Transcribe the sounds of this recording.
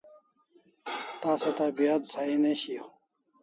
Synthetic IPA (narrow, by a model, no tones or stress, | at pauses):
t̪aːsɐt̪aːbijad̪saineɕi